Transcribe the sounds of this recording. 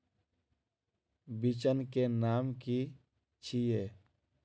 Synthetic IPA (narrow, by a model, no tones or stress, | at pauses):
bɪt͡ʃənkenaːmki | t͡ʃʰijeː